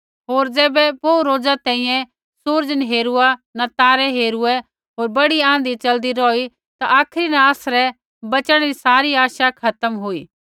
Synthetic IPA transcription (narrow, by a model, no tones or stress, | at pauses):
ɦoːɾd͡ʒɛːbɛpoɾoːd͡ʒat̪ɛ̃ːĩjɛ̃ | sʊɾd͡ʒənɦeːɾuanɐt̪aːɾɛɦeːɾuɛ | ɦoːɾbɐɽiãːnd̪it͡ʃɐld̪iɾɔːi | t̪aʔaːkʰɾinãːsɾɛ | bɐt͡ʃəɽ̃ɛɾisaːɾiaːʃakʰɐt̪əmɦuiː